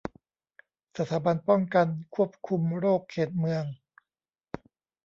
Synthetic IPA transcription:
sa˧t̪ʰaː˩˦ba˧npɔ˥˩ŋka˧nkʰu˥˩əp̚kʰu˧mɾoː˥˩kʰːeː˨˩t̪̚mɯ˧əŋ

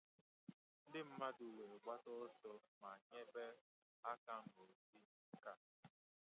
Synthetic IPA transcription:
n̩˦dɪ˦m̩˦ma˦du˨we˨ɡ͡ba˦tɔ˦sɔ˦ma˨ɲe˦be˦ | a˦ka˦ŋ̩˦o˨si˦ka˦

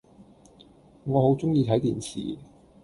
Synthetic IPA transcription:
ŋɔː˨˧ho˨˥wt͡sʊ˥ŋjiː˧t̪ʰɐ˨˥jt̪iː˨˩nsʰḭː˨˩

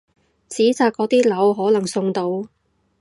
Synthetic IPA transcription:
t͡siː˨˥t͡saː˨˧k̚ːɔː˨˧˥t̪iː˥lɐ˨˥wɦɔː˨˥lɐ˨˩ŋsʊ˧ŋt̪o˧w

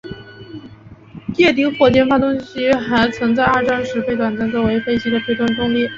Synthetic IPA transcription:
t̪jɛ˥˩t̪̬i˧˥xwɔ˥˩t͡ɕjɛ˥˧nfa˥˩t̪ʊ˥ŋɕi˥xa˧˥ɪt͡sʰɤ˧˥ŋt͡sa˥˧ɪa˞˥˩ʈ͡ʂɑ˥ŋʂɻ̩˧˥pe˥˩ɪt̪wa˨˩na˥nt͡sɔ˥˩we˧˥ɪfe˥˧ɪt͡ɕi˥d̪ə˨˩pʰe˥ɪt̪wa˥˩nʈ͡ʂʊ˥ŋli˥˩

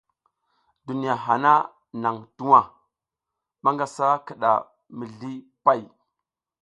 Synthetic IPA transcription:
du˨ni˨ja˨ɦa˨na˦ | na˨ŋtu˦wa˦ | ma˦ŋɡa˨sa˦kə˨ɗa̰˨ | mi˨ɮi˦ | pa˦˨j

